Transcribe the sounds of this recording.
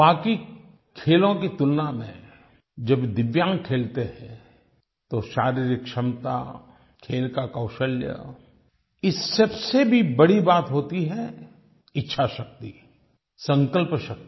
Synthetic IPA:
baːki | kʰeːlõkit̪ʊlːamẽ | d͡ʒɐbd̪ɪʋjãːŋkʰeːlt̪eɦɛ̃ | t̪oʃaːɾiːɾɪkʃɐmt̪a̰ | kʰeːlkakɐːʃəljə̰ | ɪsːɐbsebʱibɐɽibaːt̪ɦoːt̪iɦɛ̃ | ɪtːʃʰaʃɐk̚t̪i | sɐ̃ŋkəlpʃɐk̚t̪i

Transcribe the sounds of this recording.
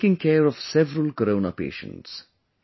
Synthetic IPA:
kɪ̃ŋkʰɛːɹɔv̥sɛvəɾəlˠkəɾõʊnəpḛːʃə̰̃nts

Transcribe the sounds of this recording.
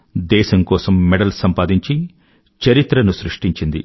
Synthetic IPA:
d̪ɛːʃɐmkɔːsɐmːɛɽɐlsɐmpaːd̪iɲt͡ʃi | t͡ʃɐɾit̪ɾɐnusɾuʂʈiɲt͡ʃind̪ḭ

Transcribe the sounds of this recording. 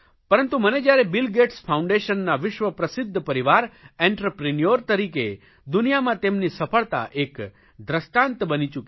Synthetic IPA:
pəɾə̃nt̪uməned͡ʒjaɾebɪlɡeʈspʰaũɳɖeʃənːaʋɪʃʋəpɾəsɪd̪ʱːpəɾiʋaɾẽɳʈɾəpɾinijoɾt̪əɾike | d̪unijamãt̪emnisəpʰəɭt̪a̰ʔek | d̪ɾəsʈãnt̪bənit͡ʃuk

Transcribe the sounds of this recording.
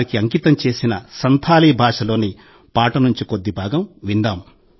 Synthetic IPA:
ɾikiɐŋkit̪ɐmt͡ʃe̞ːsinɐsɐnt̪ʰaːliːbʱaːʂɐlo̞ːni | paːʈɐnuɲt͡ʃiko̞d̪ːibʱaːɡɐmʋind̪aːm

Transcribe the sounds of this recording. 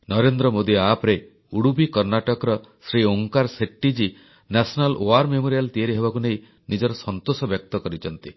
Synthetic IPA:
nɔɾend̪ɾɔmod̪iapɾe | uɽubikɔɾnaʈɔkɔɾɔ | sɾioŋkaɾseʈːid͡ʒi | nasʰɔnalʔoaɾmemoɾijalt̪ieɾiɦebakunej | nid͡ʒɔɾɔsɔnt̪osɔbjɔk̚t̪ɔkɔɾit͡ʃʰɔnt̪i

